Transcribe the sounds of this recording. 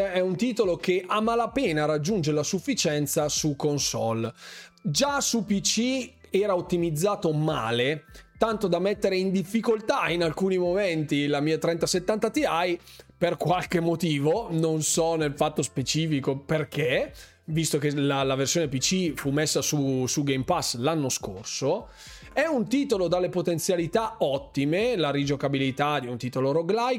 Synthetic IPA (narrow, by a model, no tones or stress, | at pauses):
ɛunt̪iːt̪olokeʔaːmalapɛːnaːrad͡ʒːund͡ʒeɾelasufːit͡ʃɛnt̪sasukonsɔ̰l | d͡ʒasupit͡ʃiɛːɾaot̪ːimid̪zːaːt̪oma̰ːlet̪ant̪od̪amːet̪ːeɾeind̪ifːikolt̪ainalkuːnimoment̪ilamiːat̪ɾɛnt̪aset̪ːant̪at̪iajperkwalkemːot̪iːvononsɔnelfat̪ːospet͡ʃiːfikoperkʰe | vist̪okelalaversjoːnepit͡ʃːifumːesːasusuɡejmpaslanːoskorso | ɛunt̪iːt̪olod̪alːepot̪ent̪sjalit̪aɔt̪ːimelaɾid͡ʒokabilit̪ad̪iunt̪iːt̪oloɾoɡlaj